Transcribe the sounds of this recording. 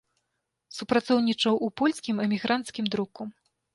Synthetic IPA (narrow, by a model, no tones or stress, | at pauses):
supɾat̪sɔwnʲit͡ʂɐwʔupɔlʲskʲimɛmʲiɣɾant̪skʲimd̪ɾuku